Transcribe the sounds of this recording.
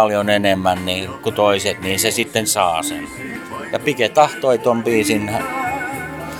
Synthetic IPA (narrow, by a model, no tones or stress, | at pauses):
ljonenemːænniːkut̪oiset̪niːnsesit̪ːensɑːsḛn | jɑpiket̪ɑht̪oit̪ompiːsinæ